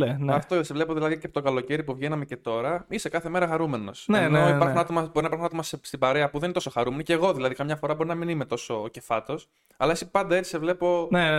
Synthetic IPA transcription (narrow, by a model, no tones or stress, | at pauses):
eneɐft̪osevle̞poðilɐðiceɐpot̪oɡɐlo̞ce̞ɾipuvʝenɐme̞ce̞t̪o̞ɾɐise̞kɐθe̞me̞ɾɐxɐɾume̞no̞sneneiɐɾxuunɐt̪o̞mɐbo̞ɾinɐipɐɾxunɐt̪omɐsst̪ibɐɾeɐpuðenet̪o̞so̞xɐɾume̞noceɣo̞ðilɐðikɐmɲɐfo̞ɾɐbo̞ɾinɐminimet̪o̞so̞ːce̞fɐt̪os | ɐlɐesipɐnd̪ɐet͡si̥sevle̞po̞ne